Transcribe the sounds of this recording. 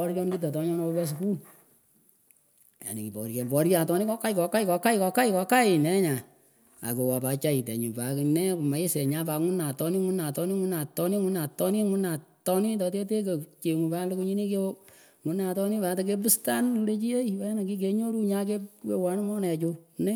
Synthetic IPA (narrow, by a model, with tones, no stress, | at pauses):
ɔ˦ɾjɔ˦nki˦t̬a˨tɔ˦ɲɔ˦nɔ˧˦bɛ˦s̬uku˦l | ja̰˨nḭ˨ki˨pɔ̰˨ɾke˨pɔ˨ɾt͡ʃa˨tɔ˦ni˦kɔ˦ka˦jkɔ˨ka˦i˦kɔ˨˧ka˦ikɔ˧ka˦iɪ˦kɔ˧ka˦ɪ˨nɛ˦ɲa˨ | a̰˨ke˨wa˨pa˨t͡ʃa˦i˨tḛ˨ɲu˨pa˨ki˨nɛ˦ko˨ma˨˦e˦sɛ˨ɲa˦pa˨˦ŋu˦na˨tɔ˦ni˦ŋu˦na˨tɔ˦ni˦ŋʊ˦na˨tɔ˦ni˦ŋu˦na˨tɔ˦ni˦ŋu˦na˨tɔ˦ni˦t̬ɔ˧t̬e˦t̬e˦k̬o˨t͡ʃe˨ŋu˨pa˦lo˦ku˦ɲi˦ni˦ke˦ | ŋu˨na˨tɔ˦ni˦pa˨ta˦ke˦b̬u˦sta˦nu˧le˦t͡ʃi˦e˦i˨pa˨˦ja˦na˨ki˦k̬e˦ɲo˦ɾu˦ɲa˦k̬e˦ke˦wa˦n˦ŋɔ˦nɛ˨t͡ʃu˧nɛ˦